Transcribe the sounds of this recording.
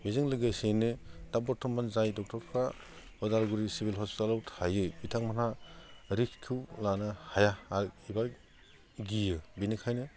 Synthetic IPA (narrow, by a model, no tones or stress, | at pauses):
bizɯŋlɯɡajsenɯtabɔtʰɔmːanzajdɔk̚tɔɾkʰa | ɔdaɾɡuɾisibʱilɦɔspi̥talawtʰajɯbitʰaŋmanaɾikʰkʰːiwlanahajaaiba | ɡijɯbinikʰajnɯ